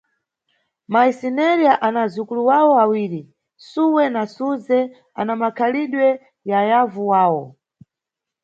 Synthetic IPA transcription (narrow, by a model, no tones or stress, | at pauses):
maisinɛɾiaʔanazukuluwawɔawiːɾi | suwɛnasuzɛ | a̰namakʰaliɗwɛ | jajavuwaːwɔ